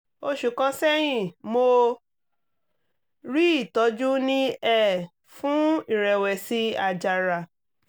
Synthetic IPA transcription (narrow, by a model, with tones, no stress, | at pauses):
o˧˦ʃu˨kã˧sɛ˦j̃ĩ˦˨mo˧ | ɾi˦i˦˨tɔ˨˦d͡ʒu˦nĩ˦ɛ˦˨ | fũ˦i˦˨ɾɛ˨wɛ˨si˧a˨d͡ʒa˨ɾa˨